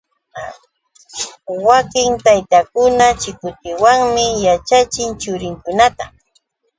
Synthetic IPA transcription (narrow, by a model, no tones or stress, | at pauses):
wakɪŋt̪ajt̪akʊnat͡ʃɪkʊt̪ɪwaŋmɪjat͡ʃat͡ʃɪnt͡ʃʊɾɪŋkʊnat̪a